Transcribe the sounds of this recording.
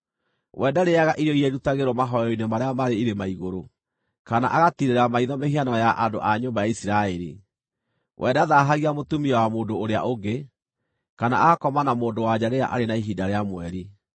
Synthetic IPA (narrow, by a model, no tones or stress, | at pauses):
wʔɛdaɾeaɣaʔiɾjɔiɛɾutaɣeɾwɔmaɦɔjɔinemaɾeamaɾeiɾemaiɣoɾo | kanaʔaɣatiɾeɾamaiðɔmehianɔjaʔando̰ʔaɲoːmbajaisiɾaɛɾḭ | wʔɛdaðaɦaɣiamotumiɔwamoːndoːɾea̰ʔoɡe | kana̰aɣakɔmanamoːndowad͡ʑaɾeaʔa̰ɾenaiɦidaɾeamwɛɾi